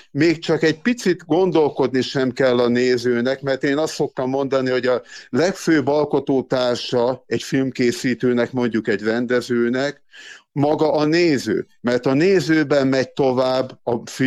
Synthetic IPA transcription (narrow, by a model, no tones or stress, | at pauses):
meːkt͡ʃɒkɛɟ̚pit̪sit̪ɡo̞nd̪o̞lko̞d̪niʃɛmkɛlːɒneːzøːnɛkmɛrt̪eːnɒst̪so̞k̚t̪ɒmːo̞n̪d̪ɒniho̞ɟɒlɛkføːbɒlko̞t̪oːt̪aːrʃɒɛcfilmkeːsiːt̪øːnɛkmo̞ɲɟukɛɟrɛnd̪ɛzøːnɛk | mɒɡɒʔɒneːzø̰ː | mɛrt̪ɒneːzøːbɛmːɛɟ̚t̪o̞vaːbːɒf